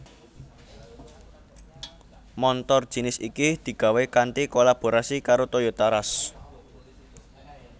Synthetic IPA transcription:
mɔnt̪ɔrd̥ʒ̥i̤nɪsikid̪̥i̤ɡ̥a̤wekant̪ikolab̥o̤ɾasikaɾot̪ojot̪aɾas

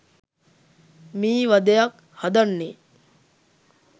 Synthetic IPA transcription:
miːʋɐd̪ejɐk | hɐd̪ɐnːe

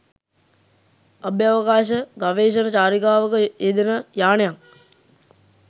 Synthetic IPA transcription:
ɐbjaʋəkaːʃəɡaʋeːʃ̬ənət͡ʃaːɾikaːʋəkəed̪enəjaːnejaŋ

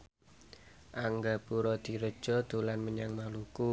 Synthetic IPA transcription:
ʔaŋɡapuɾɔd̪̥i̤ɾəd̥ʒ̥ɔ̤d̪̥o̤lanməɲaŋmaluku

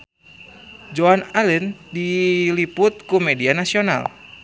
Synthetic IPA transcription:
d͡ʒoanalɛndilipʊt̪̚kumɛdianasiona̰l

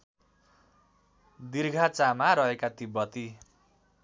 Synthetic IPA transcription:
d̪irɡʱat͡samaɾʌɦekat̪ibʌt̪i

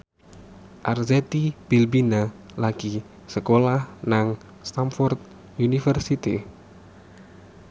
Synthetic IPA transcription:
ʔarzɛt̪ib̥ilbina | laɡ̥i | səkolahnaŋ | st̪amfɔrt̪̚ | unifərsit̪ḭ

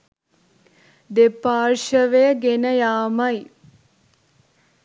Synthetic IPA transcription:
d̪epaːrʃəʋejəɡenəjaːmaj

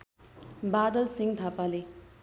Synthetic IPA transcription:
bad̪əlsiŋt̪ʰapale

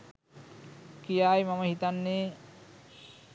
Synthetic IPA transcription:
kijaːjmaməɦit̪anːeː

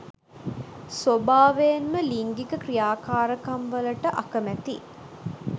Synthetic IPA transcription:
sobaːʋenməliŋɡikəkrijaːkaːɾəkɐmʋɐləʈəʔakəmæt̪i

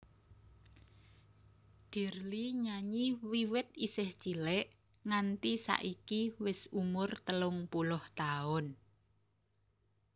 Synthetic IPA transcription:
d̪̥i̤rliɲaɲiwiwɪt̪̚isɪht͡ʃilɛʔ | ŋant̪isa̰ʔikiwɪsumʊrt̪əlʊŋpulʊht̪aʊn

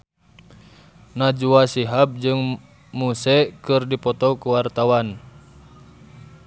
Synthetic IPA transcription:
nad͡ʒuasiɦab̚d͡ʒɨŋ | musɛkɨrdipɔt̪ɔkuwart̪awan

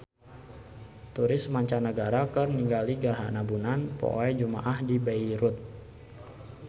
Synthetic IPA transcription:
t̪uɾɪsmaɲt͡ʃanəɡaɾakərniŋɡaliɡərɦa̰nabunanpo̰ʔɛjd͡ʒuma̰ʔahdibaiɾut̪̚

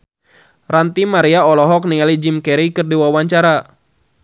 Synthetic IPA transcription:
rant̪imaɾiaɔlɔɦɔk̚nialid͡ʒimkɛɾikɨrdiwawaɲt͡ʃaɾa

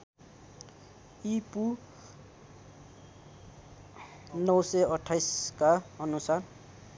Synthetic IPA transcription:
ipu | nʌwsʌʌʈʰːajskaʌnusar

